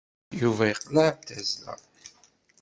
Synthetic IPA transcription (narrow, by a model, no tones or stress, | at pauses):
juvæjəqːlaʕt̪æzlæ̰